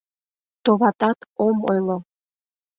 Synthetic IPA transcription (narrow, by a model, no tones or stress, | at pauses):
t̪oβɑt̪ɑt̪omojlˠo